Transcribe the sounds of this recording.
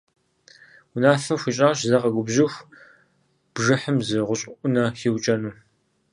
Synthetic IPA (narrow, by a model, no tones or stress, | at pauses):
ʊnaːfɐɕʷiɕʼaːɕzɐqɐɡʷʊbʑɪxʷ | b̥ʒɨħəmzɨʁʷʊɕʼɪʔʷʊnɐxiːwt͡ʃʼɐnuː